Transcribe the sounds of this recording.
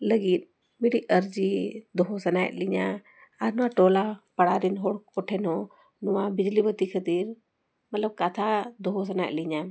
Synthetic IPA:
ləɡit̪̚ˀ | miɽiəɾd͡ʒid̪ɔɦɔsɐnajʔ̚liɲa | aɾnɔwãʈolapɐɽaɾinɦɔɽkɔʈʰɛnɔ | nɔwãbid͡ʒlibət̪ikʰət̪iɾ | mət̪ləb̚kat̪ʰad̪ɔɦos̬ɐnaːʔ̚liɲa

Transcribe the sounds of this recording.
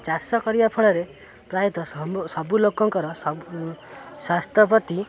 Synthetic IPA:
t͡ʃasɔkɔɾibapʰɔɭɔɾe | pɾajɔt̪ɔsɔbulokɔŋkɔɾɔs | swast̪ʰjɔpɔt̪i

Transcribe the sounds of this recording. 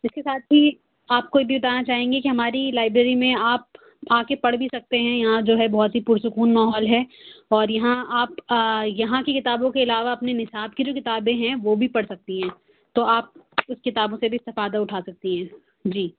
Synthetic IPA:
ɪskesaːt̪̚bʱi | aːp̚kojebʱibɐt̪aːnat͡ʃaːɦẽːŋɡekiɦɐmaːɾilaːɪbɾeːɾimẽaːp̚ | aːkepɐɽbʱisɐk̚t̪eɦɛ̃jɐɦãd͡ʒoːɦɛbɔɦɔt̪ɦipuːɾsʊkuːnmaːɦɔːlɦɛːɔːɾjɐɦãaːpjɐɦãkikɪt̪aːbõkeɪlaːʋaɐpnenɪsaːb̚kid͡ʒoːkɪt̪aːbẽɦɛ̃ʋoːbʱipɐɽsɐk̚t̪iɦɛ̃ː | t̪oaːp̚ʊskɪt̪aːbõsebʱiɪst̪ɪfaːd̪aʊʈʰaːsɐk̚t̪iɦɛ̃ː | d͡ʒiː

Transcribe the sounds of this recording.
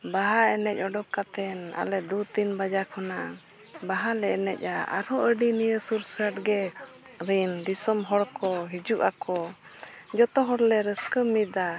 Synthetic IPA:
baɦaɛnɛc̚ˀɔɖɔkat̪ɛna̰lɛd̪ut̪inbad͡ʒakʰɔnaʔa | baɦalɛɛnɛc̚ˀaa̰ɾɔʔəɖinijəsuɾsəʈɡɛ | ɾindisɔmɦɔɽkɔɦid͡ʒuʔakɔ | d͡ʒɔt̪ɔɦɔɽlɛɾəskəmit̪a

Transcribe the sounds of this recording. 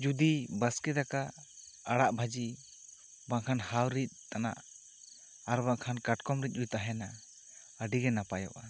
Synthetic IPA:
d͡ʒud̪ibəskɛd̪akaː | ɽaʔbʱad͡ʒi | baŋkʰanhawɾit̪̚ˀt̪ana̰ʔ | aɾbaŋkʰankaʈkɔmɾit̪̚ɾujt̪aɦɛna | əɖiɡɛnapajɔ̰ʔa

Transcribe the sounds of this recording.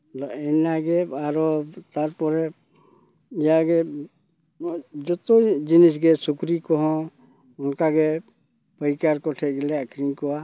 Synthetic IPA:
lɔɛnaɡɛaɾɔt̪aɾpɔɾɛ | ijaɡɛ | d͡ʒɔt̪ɔjd͡ʒinis̬ɡɛsukɾikɔɦɔ̃ | ɔnkaɡɛ | pəjkaɾkɔʈʰɛɡɛlɛakʰɾiŋkɔwa

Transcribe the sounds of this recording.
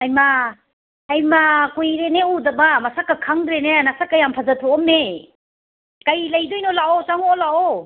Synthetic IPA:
ajma | ajmakujɾeneudɐbamasakːakʰaŋdɾenenasakːajampʰazatʰɔɔmːe | kajlajdɔjnɔlaʔɔsaŋɔɔlaɔ

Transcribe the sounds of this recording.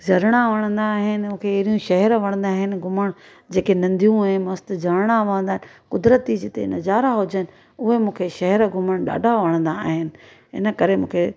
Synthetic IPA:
d͡ʑʱɐɾɽ̃aʋɐɽ̃ə̃nd̪aːɦɪnɪ̆mũːkʰeːɦɾijũʃɐɦɛɾʋɐɽ̃ə̃nd̪aːɦɪnɪ̆ɡʱʊməɽ̃ | d͡ʑeːkenɐ̃nd̪ʱijũaɦɪnmɐst̪d͡ʑɐɽɽ̃aʋɐ̃ə̃nd̪aːɦɪnɪkʊd̪ɾət̪id͡ʑɪt̪ḛnɐzaːɾaɦʊd͡ʑənɪ̆ | ʊɦemũːkʰeʃɐɦɛɾɡʱʊməɽ̃ɗa̰ːɖʱaʋɐɽ̃ə̃nd̪aːɦɪnɪ̆ | ɪ̰nə̆kɐɾemũːkʰe

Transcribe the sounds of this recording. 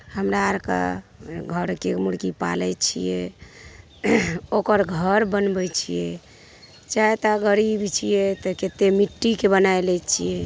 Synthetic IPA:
həmɾaɾka̰ɡʱəɾkemuɽkipa̰lɛt͡ʃʰḭjɛ | okəɾɡʱəɾbənbɛjt͡ʃʰḭjɛ | t͡ʃaet̪aɡəɾibt͡ʃʰijɛt̪ɔket̪emiʈːikebənajlɛt͡ʃʰijɛ

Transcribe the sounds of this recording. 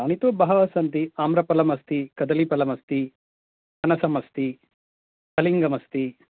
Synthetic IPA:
aːnit̪oːbaːɦɐʋɐsɐnt̪iaːmɾɐpɐlɐmɐst̪ikɐd̪ɐlipɐlɐmɐst̪i | ɐnɐsɐmɐst̪i | k̪ɐliŋɡɐmɐst̪i

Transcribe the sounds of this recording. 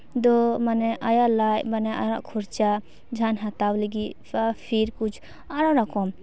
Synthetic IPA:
d̪ɔmanɛʔajalajbanɛa̰ɾãʔkʰɔɾt͡ʃa | d͡ʒʱanɦat̪awliɡi | apʰiɾkut͡ʃʰ | aɾãɾakʰɔm

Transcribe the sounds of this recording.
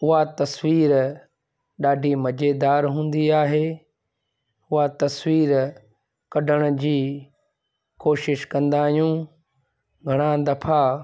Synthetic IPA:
ʊɦat̪ɐswiːɾ | ɗaːɖʱimɐd͡ʑed̪aːɾɦũːnd̪iaːɦeː | ʊɦat̪ɐswiːɾ | kɐɖʱəɽ̃ə̆d͡ʑiː | koːʃɪʃkɐ̃nd̪aːɦijũː | ɡʱɐɽ̃ãd̪ɐfʰa

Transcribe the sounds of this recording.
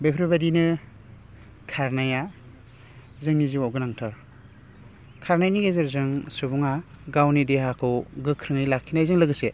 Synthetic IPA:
bepʰɾebadinɯ | kʰaɾnaja | zɯŋniziwawɡɯnaŋtʰɯɾ | kʰaɾnajniɡezɯɾzɯŋsubuŋaɡawnideɦakʰɯwɡɯkʰɾɯŋɯjlakʰːinajzɯŋlɯɡɯse

